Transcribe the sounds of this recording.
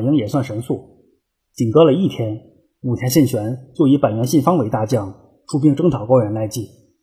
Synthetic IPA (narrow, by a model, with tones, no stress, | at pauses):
ji˧˥ŋjɛ˨˩swa˥˩nʂə˧˥nsu˥˩ | t͡ɕi˨˩nkɤ˥lə˨˧i˥˩t̪ʰjɛ˥n | u˨˩t̪ʰjɛ˧˥ɕɛ˥˩nt͡ɕʰɥɛ˧˥nt͡swɔ˥˩i˧˥pa˨˩nɥɛ˧˥nɕi˥˩nfɑ˥ŋwe˧˥ɪt̪a˥˧t͡ɕjɑ˥˩ŋ | ʈ͡ʂʰu˥p̬i˥ŋʈ͡ʂɤ˥ŋt̪ʰɑ˨˩ʊkɑ˥ʊɥɛ˧˥nla˧˥ɪt͡ɕi˥˩